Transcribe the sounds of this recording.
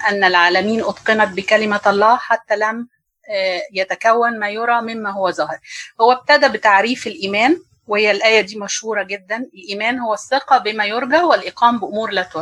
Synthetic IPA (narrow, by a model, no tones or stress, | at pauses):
ʔænːælʕaːlæmiːnʔɑt̪ˤqɨnɑt̪̚bɪkælɪmæɑlˤːɑːħat̪ːælæm | jæt̪ækæwːænmæːjoɾˤɑːmɪmːæɦowːæzɑhɾhowːæb̚t̪æd̪æbɪt̪aʕɾiːfelʔiːmæːn | wehejːælʔæːjæd̪iːmæʃhuːɾˤɑɡed̪ːænɪlʔiːmæːnhowːæsːeqɑbɪmæjoɾɡaʕwɪlʔeqʰɑːmbɪʔʊmuːɾlæːt̪o